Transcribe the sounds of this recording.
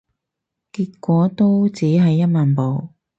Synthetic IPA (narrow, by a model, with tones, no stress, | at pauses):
kiː˧t̚kʷːɔː˨˥t̪o˥wt͡siː˨˥ɦɐ˨jːɐ˥t̚maː˨npo˨˧w